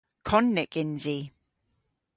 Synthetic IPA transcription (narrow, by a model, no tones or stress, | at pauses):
kʰɔnːɪkʼɪnzi